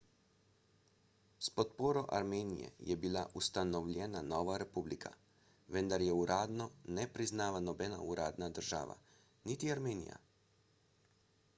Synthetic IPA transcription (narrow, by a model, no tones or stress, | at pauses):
spot̪poːɾɔʔa̰ɾmeːnḭjɛ̰jɛbilaʔust̪anɔʋlʲɛnanoːʋaɾepublikʰa̰ | ʋɛnd̪aɾjɛuɾʔaːd̪nɔnɛpɾiznaːʋanɔbɛna̰uɾaːd̪nad̪ɾʒa̰ːʋa̰ | nit̪iaɾmeːnḭja̰